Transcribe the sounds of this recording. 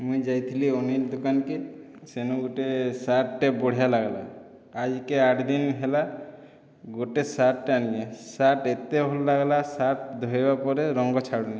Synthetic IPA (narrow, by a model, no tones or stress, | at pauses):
mũid͡ʒajt̪ʰilioniɾd̪okanke | senuɡoʈesaʈːeboɽ̤ijalaɡla̰ː | d͡ʒkeaʈʰd̪inɦela | ɡoʈesaʈːaanijesaʈet̪eɦollaɡlasaʈ̚d̪ʱoɦebapɔɾeɾɔŋɡɔt͡ʃʰaɽuni